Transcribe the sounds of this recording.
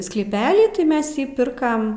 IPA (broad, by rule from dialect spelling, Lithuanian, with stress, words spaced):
sklʲiːˈpʲæːlʲiː tʲɪ ˈmʲɛs ˈjiː ˈpʲɪrkɐm